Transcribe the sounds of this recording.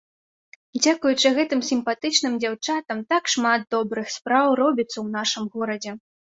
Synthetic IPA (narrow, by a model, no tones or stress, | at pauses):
d͡zʲakujut͡ʂɨɣɛt̪ɨmsʲimpat̪ɨt͡ʂnɨmd͡zʲawt͡ʂat̪ɐmt̪akʂmat̪̚d̪ɔbɾɨxspɾawrɔbʲit̪sːɐwn̪aʂɨmɣɔɾɐd͡zʲɛ